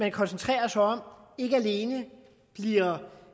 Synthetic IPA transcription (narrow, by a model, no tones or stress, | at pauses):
mænkʰɒ̽nsənt͡sʰʁɛ̰ːɐsaɒ̽m̰e̝ɡ̥əæle̝ːnə | b̥liɐ